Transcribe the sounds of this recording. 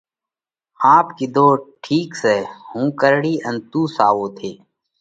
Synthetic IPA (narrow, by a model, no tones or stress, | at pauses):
aːpkid̪oːʈʰiːksehũːkəɾɽiːʔənt̪uːsaːwoːt̪ʰeː